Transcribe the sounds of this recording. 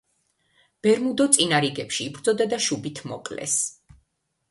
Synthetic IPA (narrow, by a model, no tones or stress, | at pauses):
b̥ɛɾmud̪ɔt̪sʼinaɾiɡɛpʃiːbɾd̪zɔd̪ad̪aʃubit̪ʰmɔqʼlɛ̰s